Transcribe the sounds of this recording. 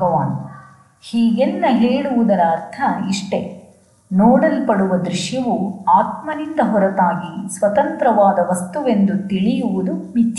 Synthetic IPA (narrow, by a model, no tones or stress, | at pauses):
ɐʋaːn | hiːɡenːɐɦeːɽuʋud̪ɐɾɐːɾt̪ʰɐiʂʈe̞ | nɔːɽɐlpɐɽuʋɐd̪ɾiʃjɐʋuaːt̪mɐnind̪ɐɦɔɾɐt̪aːɡisʋɐt̪ɐnt̪ɾɐʋaːd̪ɐʋɐst̪uʋe̞nd̪ut̪iɭijuʋud̪umit͡ʃː